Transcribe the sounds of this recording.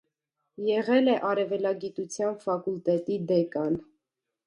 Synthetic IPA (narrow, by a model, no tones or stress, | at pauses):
jɛʁɛlɛʔɑɾɛvɛlɑɡit̪ut͡sʰjɑnfɑkult̪ɛt̪id̪ɛkɑn